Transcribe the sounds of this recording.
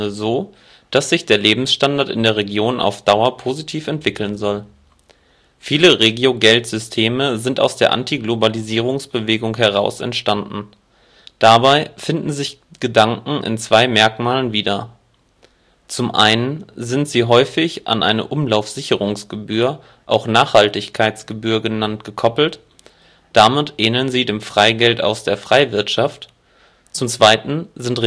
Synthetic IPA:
əzoː | d̥asz̥ɪçd̥eːɐleːbm̩sʃtandaɐtɪ̰ndeːɐʁeɡjoːnʔa̰ʊfd̥aʊɐpʰozitʰiːfɛntv̥ɪkl̩nzɔl | fiːləʁeːɡjoɡɛltz̥ʏstʰeːməzɪnta̰ʊsd̥eːɐʔa̰ntʰiɡlobaliziːʁ̞ʊŋsb̥əveːɡʊŋɦɛʁ̞aʊsɛ̰ntʃtandn̩ | d̥abaɪfɪndn̩zɪç | ɡ̥ədaŋkŋ̩ʔɪ̰nt͡sv̥aɪmɛɐkmaːlənviːdɐ | t͡sʊmʔa̰ɪnənzɪntz̥iːɦɔʏfɪçʔa̰nʔa̰ɪnə̰ʔʊmlaʊfz̥ɪçəʁʊŋsɡ̥əbyːɐ | ʔaʊxnaːχhaltɪçkʰaɪt͡sɡ̥əbyːɐɡənantɡ̥əkʰɔpl̩t | d̥amɪtʔɛːnənziːdeːmfʁ̥aɪɡɛlta̰ʊsd̥eːɐfʁ̥aɪvɪɐtʃaft | t͡sʊmt͡sv̥aɪtn̩zɪntʁ

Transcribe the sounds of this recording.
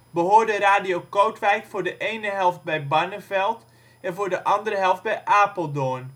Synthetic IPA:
bəɦoːrdəɾaːdijowkowtʋɛjkfoːɹdəʔejnəɦɛlˠft̚bɛjbanəfɛlˠt | ɛnvoːɹdəʔɑndərəɦɛlˠft̚bɛjʔaːpəlˠdoən

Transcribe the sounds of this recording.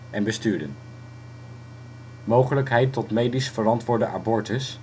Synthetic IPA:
ʔɛnbəstyːɹdə̰n | mowχələkɦɛjtːɔtmejdisfərɑntʋʊːɹdəʔa̰bɔɹtəs

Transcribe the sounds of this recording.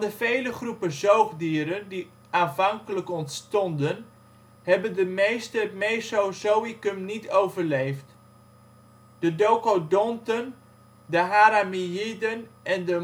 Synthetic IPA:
ndəvejləχrupəzowχdiːɾəndi | aːnfɑŋkələkɔntstɔndən | hɛbəndəmejstəmejsowsowikəmnitowvəɹlejft | d̥ədokodɔntən | dəɦaɾamiidənʔɛndə

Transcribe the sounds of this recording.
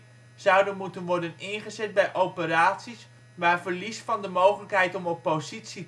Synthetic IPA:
z̥ʌwdənmutənʋɔɹdənɪnχəzɛt̚bɛjʔowpəɾaːtsis | maːɹvəɹlisfɑndəmowχələkɦɛjtɔmɔpːozitsi

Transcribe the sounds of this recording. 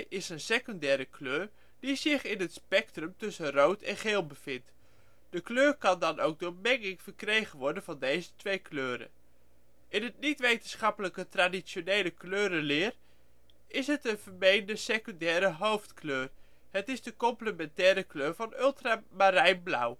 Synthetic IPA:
ʔɪsənsekyndɛːɾəkløːr | d̥izɪχɪnɦətspɛk̚trəmtɵsənrowtʰɛnχeːlˠbəfɪnt | d̥əkløːrkɑndɑnowk̚dʊːɹmɛŋɪŋfərkrejχənʋɔɹdənv̥ɑndejzətʋejkʰløːɾə̰ | ʔɪnɦətnitʋejtənsχɑpələkətradisjonejləkløːɾəlɪːr | ɪsɦətənvərmejndəsekyndɛːɾəɦowftkʰløːr | hətɪzdəkɔmpləmɛntɛːɾəkløːɹvɑnʏlˠtramaɾɛjnbla̰w

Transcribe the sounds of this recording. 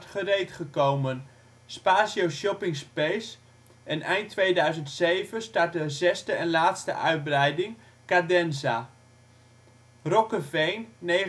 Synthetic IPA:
tχərejtχəkowmən | spaːsjowʃɔpɪŋspejs | ʔɛnɛjntʰːʋejdœɥzəntsejvənstaɹt̚dəzɛstəɛnlaːtstə̰ʔœɥt̚brɛjdɪŋ | kadɛnza | rɔkəvejnːe

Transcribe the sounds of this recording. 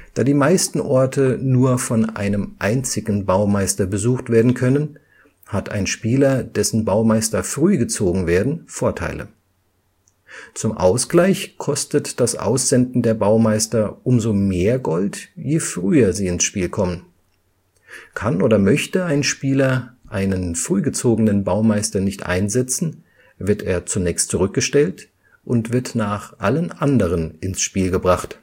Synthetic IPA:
d̥aːdiːmaɪstn̩ʔɔɐtʰənuːɐfɔnʔa̰ɪnəmʔaɪnt͡sɪɡŋ̩baʊmaɪstɐbəzuːxtv̥eːɐdn̩kʰœnən | hatʰa̰ɪnʃpiːlɐd̥ɛsn̩baʊmaɪstɐfʁ̥yːɡət͡soːɡŋ̩veːɐdn̩foːɐtʰa̰ɪlʔə̰ | t͡sʊmʔa̰ʊsɡ̥laɪçkʰɔstətd̥asʔa̰ʊsz̥ɛndn̩deːɐbaʊmaɪstɐʔʊmzomeːɐɡɔltjeːfʁ̥yːɐziːɪnsʃpiːlkʰɔmən | kʰanʔoːdɐmœçtəaɪnʃpiːlɐʔaɪnənfʁ̥yːɡət͡soːɡənənbaʊmaɪstɐnɪçtʔa̰ɪnzɛt͡sn̩ | vɪɐteːɐt͡sunɛːçstt͡suʁʏk̚ɡ̥əʃtɛlt | ʔʊntv̥ɪɐtnaːχʔalənʔandəʁ̞ənʔɪnsʃpiːlɡəbʁaχt

